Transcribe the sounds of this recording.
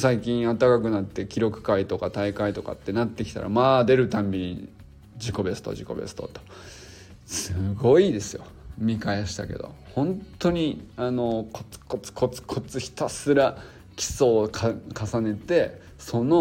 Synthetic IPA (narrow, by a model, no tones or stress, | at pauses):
saikʲĩɰ̃at̪ːakakɯ̟nat̪ːe̞kʲiɾo̞kɯ̟̥kait̪o̞kat̪aikait̪o̞ka̰t̪ːe̞nat̪ːe̞kʲi̥t̪a̰ɾa̰maːd̪e̞ɾɯ̟t̪ãmbʲiɲ̟ḭ | d͡ʑiko̞be̞sɨ̥t̪o̞̰ʑiko̞̰be̞̰sɨ̥t̪o̞̰t̪o̥ | sɨɡo̞id̪e̞sɨjo̞̰ | mʲikajeɕi̥t̪a̰ke̞̰d̪o̞̰hõ̞nt̪ːo̞ɲ̟iano̞kʰot͡sɨ̥kot͡sɨ̥kʰo̞t͡sɨ̥kʰo̞t͡sɨçʲi̥t̪asɨɾa | kʲi̥so̞kʰkʰasane̞t̪e̞ | so̞no̞